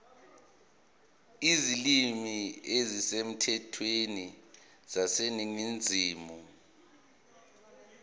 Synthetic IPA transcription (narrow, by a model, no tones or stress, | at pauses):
izilimiezisem̩tʰɛtʰweni | z̥aseniŋind͡zʱiːmu